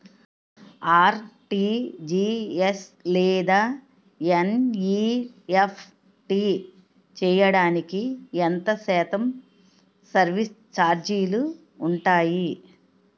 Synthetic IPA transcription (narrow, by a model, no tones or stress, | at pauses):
aːɾʈiːd͡ʒiːeslɛːd̪aː | eniepʰ | ʈiː | t͡ʃɛːjɐɽaːnikient̪ɐsɛːt̪ɐm | sɐɾʋist͡ʃaːɾd͡ʒijluː | ɳʈaːji